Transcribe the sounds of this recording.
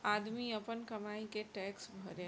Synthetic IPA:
aːd̪miɐpənkɐmaːikeʈɛːksbʱɐɾẽ

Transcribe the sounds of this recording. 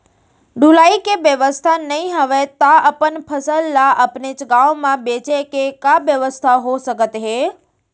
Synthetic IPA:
ɖʱulaikeʋjəʋəst̪ʰanəĩɦəʋet̪aəpənpʰəsəlːaʔəpnet͡ʃɡãʋmãbet͡ʃekekabjəʋəst̪ʰaɦosəkət̪ɦe

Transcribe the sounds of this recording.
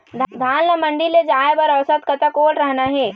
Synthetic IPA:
d̪ʱd̪ʱaːnləmɐ̃ɳɖiled͡ʒaːebɐɾɐʋsət̪kɐt̪akoːʈɾɐɦnaɦɛː

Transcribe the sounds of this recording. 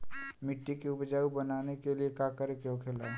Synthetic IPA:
mɪʈːikeʊpd͡ʒaːubənaːnekeliekakəɾekeɦokʰela

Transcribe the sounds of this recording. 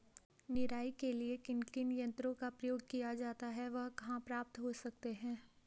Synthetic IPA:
nɪɾaːikeliekɪnkɪnjɐ̃nt̪ɾõkapɾɐjoːɡ̚kijad͡ʒaːt̪aɦɛʋɐɦkɐɦãpɾaːp̚t̪ɦosɐk̚t̪eɦɛ̃ː

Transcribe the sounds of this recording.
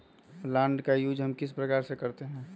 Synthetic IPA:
lɛ̃ːɳɖkajuːd͡ʒɦəmkɪspɾəkaːɾsekəɾt̪eɦɛ̃ː

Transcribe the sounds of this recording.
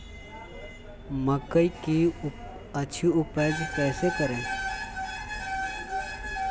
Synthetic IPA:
məkəiki | ət͡ʃʰiʊpəːd͡ʒpɛːsekəɾẽ

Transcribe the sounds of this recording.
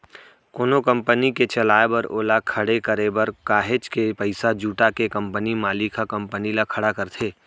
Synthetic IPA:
koːnokɐ̃mpəniket͡ʃɐlaːebɐɾoːlakʰɐɽekəɾebɐɾkaːɦed͡ʒkepəɪsad͡ʒuːʈakekɐ̃mpənimaːlikʰakɐ̃mpənilakʰɐɽakɐɾt̪ʰeː

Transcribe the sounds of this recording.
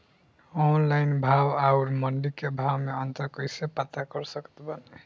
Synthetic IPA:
onlajnbʱawawɾmʌɳɖikebʱawmeʌnt̪ʌɾkʌjsepat̪akʌɾsʌkt̪bʌne

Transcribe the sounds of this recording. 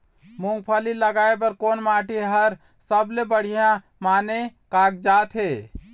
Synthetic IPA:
muŋɡpʰaliləɡaebəɾkonmaʈʰiɦəɾ | səblebəɽ̤ijã | manekak̚d͡ʒat̪ʰɦe

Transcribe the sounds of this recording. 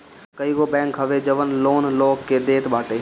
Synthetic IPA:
kəiɡoːbɛ̃ːŋkɦəʋed͡ʒəʋənloːnloːkːeːd̪eːt̪baːʈeː

